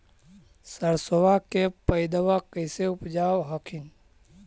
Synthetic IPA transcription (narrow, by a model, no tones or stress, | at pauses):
səɾsoʋakepəjd̪əʋakəɪseʊpd͡ʒaːwɦəkʰin